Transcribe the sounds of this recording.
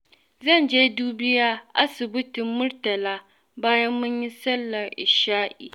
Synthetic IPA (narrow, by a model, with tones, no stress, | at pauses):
zɐ˦˨nd͡ʒeː˦duː˦bɪ˦jaː˦ʔa˦sʊ˨bʊ˦tɪ˨mmʊ˦ɾtɐ˨laː˦ | baː˦jɐ˦mːʊ˦ɲji˦sɐ˦lːɐ˨rʔɪ˨ʃaː˦ʔḭː˨